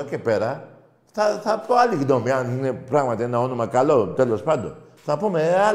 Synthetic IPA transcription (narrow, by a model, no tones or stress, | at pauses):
akɛpɛɾa | sasapɔalikid̪ɔ̃mianinɛpɾamãt̪ɛnãɔnũmakalodɛlɔspad̪ɔ̰sapɔmea